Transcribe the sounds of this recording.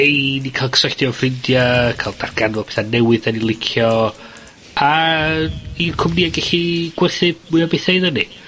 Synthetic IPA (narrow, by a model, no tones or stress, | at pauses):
ejnikʰalˠksaɬtiɔvɪndjakʰalˠd̥arɡ̥anvɔpʰe̥θanɛwɨðanilˠɪkʰjɔ | a | ikʰʊmniaɡɛɬiɡ̥wɛrθɨb̚mʊjɔbeθejðənḭ